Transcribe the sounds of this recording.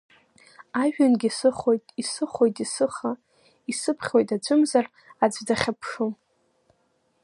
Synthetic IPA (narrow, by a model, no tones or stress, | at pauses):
aʒᶣanɡʲisɨχo̞jtʼisɨχojtʼisɨχa | isɨpʰχʲwo̞jtʼad͡ʒʷʼɨmzar | ad͡zʷʼdaχʲapʰʂom